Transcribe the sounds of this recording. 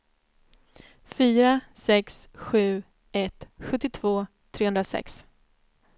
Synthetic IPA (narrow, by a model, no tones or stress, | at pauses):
fyːɾasɛksɧʉ̟ː | ɛt̪ɧɵt̪ːɪt̪ʰv̥oː | t̪ʰɾeːɵnɾasɛ̰ks